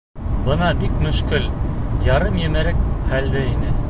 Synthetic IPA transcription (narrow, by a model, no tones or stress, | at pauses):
bɤnɑbikmɵ̆ʃkɘljɑɾɤmjɘ̆mɘɾɘk̚χæld̪ɘinɘ